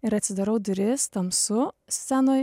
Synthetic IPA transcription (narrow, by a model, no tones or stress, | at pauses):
ɪɾɐt̪ʲsʲɪd̪ɐɾɐʊd̪ʊɾʲɪst̪ɐmsʊsʲænoː